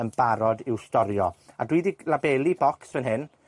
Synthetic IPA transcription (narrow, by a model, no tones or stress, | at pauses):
ənb̥aɾɔdɪwstɔɾjɔa̰dwiːdilabɛːlˠibɔksvɛnɦɪn